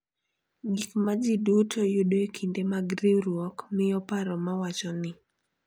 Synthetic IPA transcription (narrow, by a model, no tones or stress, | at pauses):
ɡikmad͡ʒidutʰojodoekʰindemaɡɾeɾwɔkmɪjɔpaɾɔmawat͡ʃɔnɪ